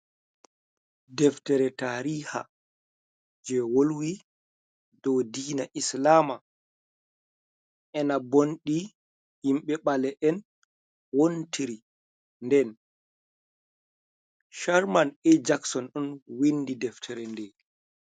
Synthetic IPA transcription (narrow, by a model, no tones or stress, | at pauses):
dɛftɛɾɛtaɾiha̰ | d͡ʒɛwolwi | dɔwdiːnaʔislaːma | ʔɛnabonɗi | himɓɛɓalɛʔɛn | wontʰiɾi | ndɛn | ʃaɾmanɛd͡ʒaksɔnɗɔnwindidɛftʰɛɾɛndɛ